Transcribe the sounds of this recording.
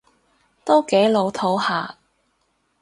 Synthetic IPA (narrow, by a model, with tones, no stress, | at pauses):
t̪o˥wke˨˥jlo˨˧wt̪ʰo˨˥whaː˨˧